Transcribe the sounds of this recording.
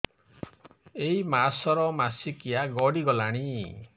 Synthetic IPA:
eimasɔɾɔmasikijaɡɔɽiɡɔlaɽ̃i

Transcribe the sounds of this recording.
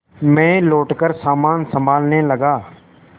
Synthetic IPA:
mɛ̃ːloːʈkəɾsaːmaːnsəmbʱaːlneːləɡaː

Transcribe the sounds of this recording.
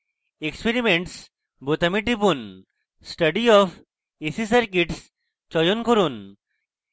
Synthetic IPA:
ekspeɾimeɳʈs | bot̪ɐmiʈipun | sʈɐɖiɔfʰ | esisəɾkiʈs | t͡ʃɔjonkɔɾun

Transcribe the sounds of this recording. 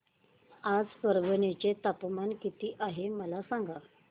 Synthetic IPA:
ad͡zsəɾʋənet͡ɕet̪apmankit̪iːʔaɦeməlasaŋɡʱa

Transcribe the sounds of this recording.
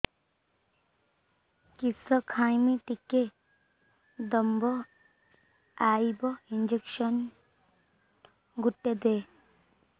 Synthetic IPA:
kisəkʰaːjmiʈike | d̪əmbɔ | aːibɔind͡ʒekʃən | ɡuʈːed̪eː

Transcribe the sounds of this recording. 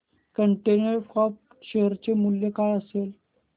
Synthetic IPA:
kəɳʈenəɾfɔp̚ | ɕeɦəɾt͡ɕemuljekajəsel

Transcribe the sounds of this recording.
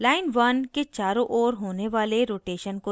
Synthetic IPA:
laːɪnʋɐnket͡ʃaːɾõʔoːɾɦoːneʋaːleɾoːʈeːʃənko

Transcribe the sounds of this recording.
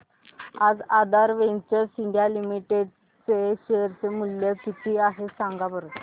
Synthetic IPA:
ad͡zad̪ʱaɾʋeɲt͡ɕəɾsiɳɖijalimiʈeɖ | t͡seɕejəɾt͡semuljəkit̪ʰiːaɦesãŋɡabəɾət̪

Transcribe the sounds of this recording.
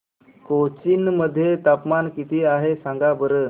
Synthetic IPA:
kot͡ɕinməd̪ʱːjet̪apmankit̪ʰiːaɦesãŋɡabəɾə

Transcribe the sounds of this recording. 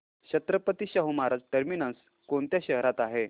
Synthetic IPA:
ɕət̪ɾəpət̪iːɕaɦumaɾad͡zʈəɾminəns | koɳt̪jaɕəɦɾat̪aɦe

